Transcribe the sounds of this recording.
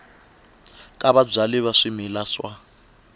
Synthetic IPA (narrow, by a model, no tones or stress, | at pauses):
kʼaβab͡ʐaliβaʂimilaswa